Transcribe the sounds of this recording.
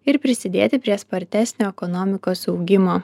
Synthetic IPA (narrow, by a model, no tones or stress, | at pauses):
ɪɾpʲɾʲɪsʲɪd̪ʲeːt̪ʲɪpʲɾʲiɛspɐɾʲt̪ʲæːsʲnʲoːɛkɔnoːmʲɪkoːsɒʊɡʲɪmoː